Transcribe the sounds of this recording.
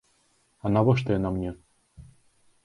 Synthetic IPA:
ɑnɑβɤ̆ʃ̬t̪ɤɤnɑmnʲe

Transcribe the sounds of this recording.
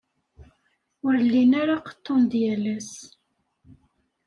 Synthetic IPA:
ʊɾlːinaɾaqə̥t̪ːond̪jælæs

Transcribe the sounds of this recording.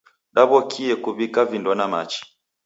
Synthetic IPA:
ɗaβɔkʰiɛkuβikavindɔnama̰t͡ʃi̥

